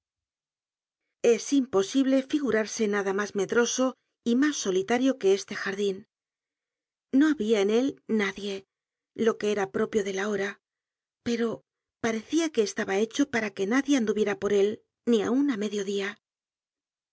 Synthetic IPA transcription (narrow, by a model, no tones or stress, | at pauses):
e̞simpo̞siβle̞fiɣuɾaɾse̞naðamazme̞ðɾoso̞ | imasːo̞lit̪aɾjo̞ke̞e̞st̪e̞xaɾðin | o̞aβiaene̞lnaðje̞ | lo̞ke̞e̞ɾapɾo̞pjo̞ðe̞lao̞ɾa | pe̞ɾo̞ | paɾe̞θiake̞ːst̪aβae̞t͡ʃo̞paɾake̞naðje̞and̪uβje̞ɾapo̞ɾe̞l | nia̰uname̞ðjo̞ðia